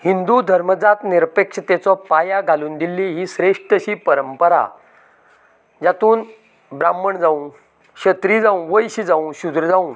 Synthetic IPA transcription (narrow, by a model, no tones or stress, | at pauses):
hind̪ud̪ʱəɾməd͡zat̪niɾpekʂət̪et͡sɔpajaɡʱaluːnd̪ilːiɦiːɕɾeʂʈəɕiːpəɾəmpəɾa̰ | d͡ʑjat̪uːn | bɾamːəɳd͡zaũ | ɕət̪ɾiːd͡zaũʋəjɕid͡zaũɕud̪ɾəd͡zaũ